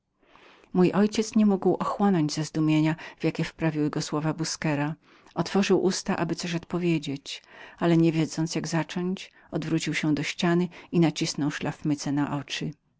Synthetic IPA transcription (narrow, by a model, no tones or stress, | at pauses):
mujʔɔjt͡ɕɛt̪sɲɛmuɡwʔɔxwɔnɔɲd͡ʑzɛzd̪umʲjeɲav̥jakʲɛfpɾavʲiwɘɡɔswɔvabuskɛɾa | ɔt̪fɔʐɘwʔust̪aʔabɘt̪sɔɕɔt̪pɔvʲjed͡ʑet͡ɕalɛɲevʲjɛd̪zɔnt̪sjaɡzat͡ʂɔɲt͡ɕ | ɔd̪vɾut͡ɕiwɕɛ̃d̪ɔɕt͡ɕanɘinat͡ɕisnɔwʂlafmɘt̪sɛnaʔɔt͡ʂɘ